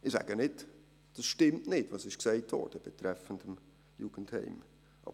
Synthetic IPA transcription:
ɪsɛ̰ːɡənɪt | d̥ɑsʃtɪmtnɪtvɑsɪʃkseɪtʰho̰ːdəb̥ətɾɛfəndəm | juːɡ̥ən̩thɛ̰ɪm | ʔɑ̰

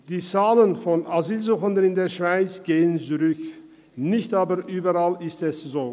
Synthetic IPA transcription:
d̥iːt͡saːlənfɔnʔaziːlzuːχəndənɪndeːɐʃv̥aɪt͡sɡ̥eːənt͡suʁʏk | nɪçtaːbəɐʔyːbəʁalɪstɛszoː

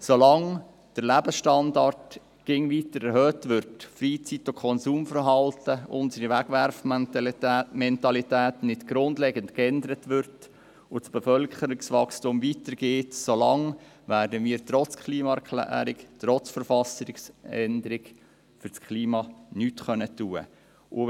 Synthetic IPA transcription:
solɑŋ | d̥əɾlæbəsʃtɑndɑrt | ɡ̥ɪŋʋitəɾɛɾɦœːtʋʏɾtfɾiːt͡sitokʰɔnsuːmfəɾɦɑltəʊ̰nsəɾiʋæɡ̥ʋæɾf | mɛntɑlitæːtnɪtɡ̥ɾʊndlɛɡəntkɛndəɾətʋʏɾt | ʊsb̥ɛfœlkχəɾɪksʋɑkstumʋitəɾɡ̥eːtsolɑŋ | ʋæːɾdəmiːɾtɾɔt͡skʰliːmɑɛɾkʰlæ̰ːɾɪktɾɔt͡sfəɾfɑsəɾɪksɛndəɾɪɡ | fʏɾskʰliːmɑnyːtχœnətuːə̰ | ʔʊ̰

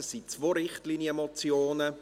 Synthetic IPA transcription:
əsit͡svoːɾɪχtliːnjəmot͡sjoːnə

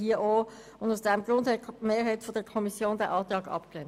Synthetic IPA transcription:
hiːəʔoː | ʊndaʊsd̥ɛmɡʁɾʊndhɛmeːɾɦaɪtfodəkʰɔmisjoːndɛʔɑːtɑːɡɑ̰pklɛn

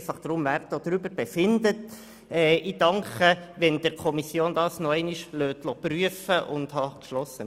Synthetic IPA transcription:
fɑχd̥̪ɾʊmvæɾtod̥̪ɾybəɾb̥ɛfɪndət | ɛːʔid̥ɑŋkəʋɛnd̥̪ɪɾkʰɔmisjoːnd̪ɑːsnɔɛɪniʃløːt̪lɔpryəfəʔʊnd̪hɑkʃlɔsːə

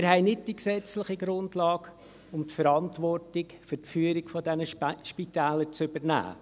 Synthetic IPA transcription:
ɪɾhɛɪnɪt̚d̥iksɛt͡slɪχiɡɾʊndlɑːk | ʊmtfəɾɑntvɔrtɪkfʏɾtfyːəɾɪkfɔdɛnəʃpitæːləɾt͡sʏbəɾnæ̰ː

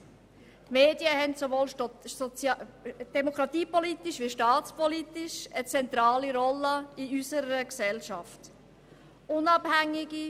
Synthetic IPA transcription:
meːdjəhɛntsovoːl | d̥ɛmokɾɑt̪iːpɔlit̪iʃʋiʃtɑːt͡spɔlitɪʃət͡sɛnt̪ɾɑːliɾɔlːəiysəɾəksɛlʃɑft | ʊnɑbhæŋːɪɡi

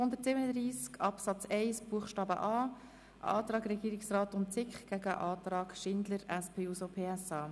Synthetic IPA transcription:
hʊnd̪ətsɪbənəd̪ɾiːskɑpsɑt͡sɛɪsb̥uəχʃtɑːbə̰ʔɑː | ʔɑ̰ːt̪ɾɑːɡɾɛɡiːɾɪksraːtʊntt͡sɪkχɡ̥æɡəʔɑːtɾɑːɡʃɪnd̪ləɾɛspʰeːusopʰeːɛsɑː

